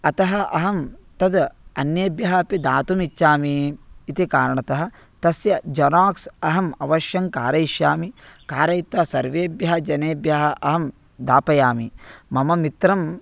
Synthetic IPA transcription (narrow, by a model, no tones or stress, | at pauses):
ɐt̪ɐɦɐʔɐ̰ɦɐmt̪ɐd̪ɐnjeːbjɐɦɐɐpid̪aːt̪umit͡ʃʃaːmiːt̪ikaːɾɐɳɐt̪ɐɦɐ̆ | t̪ɐsjɐd͡ʒɐnaːksɐɦɐmɐʋɐʃjɐŋkaːɾɐiʃjaːmikaːɾɐjit̪ʋɐsɐɾʋeːbjɐɦɐd͡ʒɐneːbjaɦɐʔɐɦɐm | d̪aːpɐjaːmimɐmɐmit̪ɾɐm